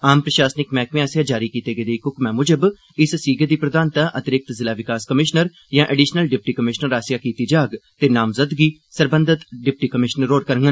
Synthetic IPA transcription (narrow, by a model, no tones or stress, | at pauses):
aːmpɾəʃaːsnɪkmɛ̃ːkʋɪaːsɪjãːd͡ʒaːɾiːkiːt̪eːɡeːd̪eiːkʊkmɛ̃ːmʊd͡ʒəb | ɪssiːɡed̪iːpɾəd̪aːnt̪aːʔət̪ɪɾɪk̚t̪zɪlaːʋɪkaːskəmɪʃnəɾ | jãːʔəɖiːʃnəlɖɪp̚ʈiːkəmɪʃnəɾaːsjaːkiːt̪iːd͡ʒaːɡt̪eːnaːmzəd̪ɡiːsəɾbənd̪ət̪ɖɪp̚ʈiːkəmɪʃnəɾoːɽkəɾəŋɡən